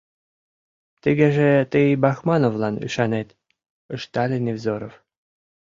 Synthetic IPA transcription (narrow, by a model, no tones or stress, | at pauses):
t̪əɣĕʒet̪əbɑxmɑnovlˠɑny̰ʃɑnet̪ | əʃt̪ɑlʲenevzoɾof